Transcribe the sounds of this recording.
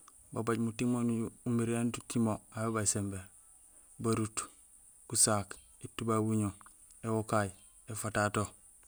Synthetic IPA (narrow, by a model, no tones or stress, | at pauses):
babaɟmutimonuuumiɾentutimoabebasembe | baɾut | kusaːk | etːubawiɲo | ewokaj | efatato